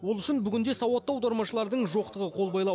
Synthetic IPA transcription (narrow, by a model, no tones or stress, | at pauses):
wo̞lˠʏʃɪnbʏɡʲɪnd̪e̞sɑwɑt̪ːɑwd̪ɑɾmɑʃəlˠɑɾd̪əɴʒo̞q̚t̪əʁəqʰo̞lˠbɑjlˠɑ